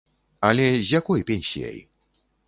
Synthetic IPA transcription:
ɐlʲɛzʲjakɔjpʲenʲsʲḭja̰j

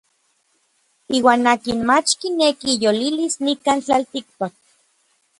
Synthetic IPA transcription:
iːwaːnaːkinmat͡ʃkinekijolilisnikaːnt͡ɬalt̪ik̚pak̚

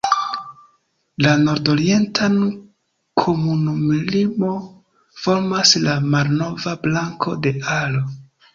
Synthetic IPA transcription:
lano̞ɾdo̞ɾie̞ntʰan | kʰo̞munumilimo̞ | fo̞ɾmaslamalno̞vablaŋkʰo̞̰de̞alo̞

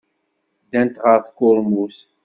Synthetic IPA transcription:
d̪ænt̪ʁəɾθkʊlmus

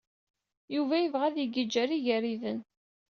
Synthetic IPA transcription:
juvæjəvʁæðjəɡəd͡ʒːæɾiʝæɾiðən

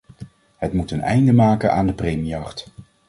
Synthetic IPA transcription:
ɦətmutənɛ̰jndəmaːkəna̰ːndəprejmijɑχt

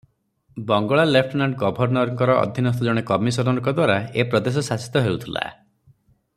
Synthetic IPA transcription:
bɔŋɡɔɭalepʰʈnaɳɖɡɔbʱɔɾnɔɾɔŋkɔɾɔɔ̰d̪ʱinɔst̪ɔd͡ʒɔɽ̃ekɔmisɔɾɔŋkɔd̪waɾaepɾɔd̪es̬ɔsasi̥t̪ɔɦeut̪ʰila̰

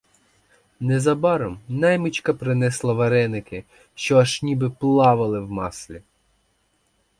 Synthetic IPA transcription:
nɛzɐbɑɾɔmnɛjmʊt͡ʃkɐpɾɪnɛslˠɐʋɐɾɛnɪkɪ | ʃt͡ʃɔɐʃnʲibɪplˠɑʋɐlˠɪwmɑ̰slʲi

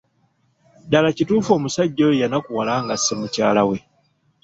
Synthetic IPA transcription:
dalacituːfo̞ːmusaɟːojejanakuwalaːŋɡasemucaːlawe̞

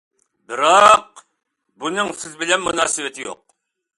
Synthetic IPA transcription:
bɪɾɑq | bunɨŋsɪzbɪlɛnmunɑːsɨwɪt̪ʰɪjo̰q̚

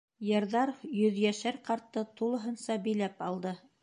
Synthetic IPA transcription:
jɤ̆ɾðɑɾjɵ̆ðjæʃæɾqɑɾt̪ːɤt̪ulˠɤ̆ɦɤ̆nsɑbɘ̆jlæpɑlˠd̪ɤ

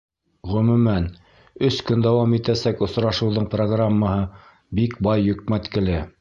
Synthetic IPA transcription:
ʁɵ̆mʉ̆mæn | ɵskɵnd̪æwɑmit̪æsækŏsɾɑʃɤ̆wðoɴproɡramːɑhɤ | bikbɑjːɵ̆k̚mæt̪kɘ̆lɘ

